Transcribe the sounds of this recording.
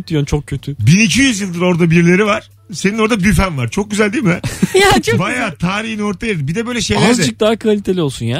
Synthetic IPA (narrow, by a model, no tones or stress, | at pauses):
d̪ijont͡ʃʰo̞k̚cʰːøt̪ʰybinicʰijyzjɯlˠd̪ɯɾo̞ɾd̪abiɾlʲe̞ɾivaɾ̥ | se̞nino̞ɾd̪abyfænvaɾt͡ʃʰo̞k̚ɟyzælʲd̪iːmibænjat͡ʃʰbajaːt̪ʰaːɾihino̞ɾt̪ʰajad̪ɯmbid̪ɛbø̞jlʲɛʃejlʲæazd͡ʒɛɯk̚d̪aːakʰvalʲit̪ʰe̞lʲiolˠsunjaː